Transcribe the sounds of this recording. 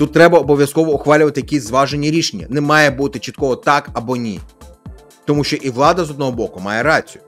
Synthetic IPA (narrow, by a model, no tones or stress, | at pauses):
t̪ut̪ːɾɛbɐɔbɔʋʲjɐskɔʋɔʊxʋɑlʲʊʋɐt̪ɪjɐkʲisʲzʋɑʒenʲːiɾʲiʃenʲːɐ̰nɛmɑjɛbut̪ɪt͡ʃit̪kɔɦɔt̪ɑkɐbɔnʲi | t̪ɔmuʃt͡ʃɔʔiʋlˠɑd̪ɐzɔd̪nɔɦɔbɔkʊmɑjɛɾɑt͡sʲijʊ